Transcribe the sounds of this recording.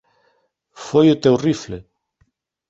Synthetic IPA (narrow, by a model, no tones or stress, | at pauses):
fojʊt̪ewrifle